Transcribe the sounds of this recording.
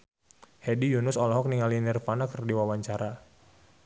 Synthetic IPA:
hɛdijunʊsɔlɔɦɔk̚niŋalinirfanakərdiwawaɲt͡ʃaɾa

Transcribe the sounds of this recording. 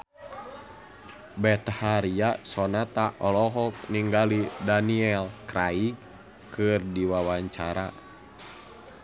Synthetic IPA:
bɛt̪haɾiasɔnat̪aʔɔlɔɦɔk̚niŋɡalidaniɛlkɾai | kɨrdiwawaɲt͡ʃaɾa̰

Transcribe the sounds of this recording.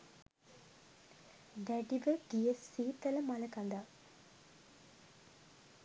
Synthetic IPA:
d̪æɖiʋəɡ̥iesːiːt̪ələmaləkand̪a

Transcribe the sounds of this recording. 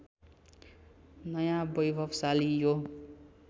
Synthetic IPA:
nʌjãbʌjbʱʌbsalijo

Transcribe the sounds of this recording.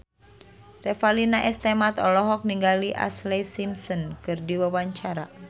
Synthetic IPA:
rɛfalinaʔɛst̪ɛmat̪ɔlɔɦɔk̚niŋɡaliʔa̰slesimsənkɨrdiwawaɲt͡ʃaɾa

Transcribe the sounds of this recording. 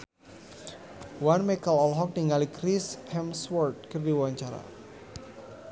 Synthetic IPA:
wanmɛkəlɔlɦɔk̚niŋalikɾishɛmswɔrt̪̚kərdiwaɲt͡ʃaɾa̰

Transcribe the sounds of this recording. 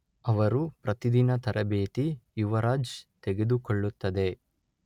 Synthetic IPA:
ɐʋɐɾupɾɐt̪id̪inɐt̪ɐɾʔɐbeːt̪ijuʋɐɾaːd͡ʒt̪eɡe̞d̪ukoɭːut̪ːɐd̪e̞

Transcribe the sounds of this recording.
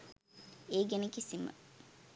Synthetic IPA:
eːɡenəkisimə̰

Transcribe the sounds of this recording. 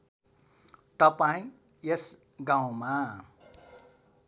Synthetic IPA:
t̪ʌpaĩ | jes | ɡaw̃ma

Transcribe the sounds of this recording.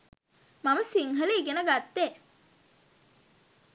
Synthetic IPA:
maməsiŋɦəleɡenəɡat̪ːe

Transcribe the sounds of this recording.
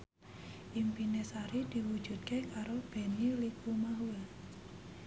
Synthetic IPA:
ʔimpinesaɾid̥i̤wu̥d͡ʒ̥ṳd̪̚kekaɾob̥e̤nilikumaɦua

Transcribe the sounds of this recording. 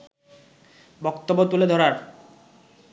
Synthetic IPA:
bɔkt̪obːot̪uled̪ʱɔɾaɾ

